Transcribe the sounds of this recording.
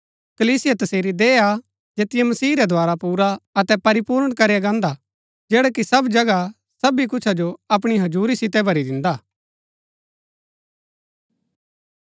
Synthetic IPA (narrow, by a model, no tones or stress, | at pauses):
kɐliːsɪjat̪ɐseːɾid̪eːa | d͡ʒeːt̪ɪjemɐsiːɾɛd̪ʱoaːɾapuːɾaɐt̪ɛpɐɾɪpuːɾɽ̃kɐɾijaɡãːnd̪a | d͡ʒɛːɽɛkisɐbd͡ʒɐɡa | sɐbik̬ʊt͡ʃʰad͡ʒoɐp̬ɽ̃iɦɐd͡ʒuːɾisɪt̪ɛbʱɐɾid̪ɪ̃nd̪aː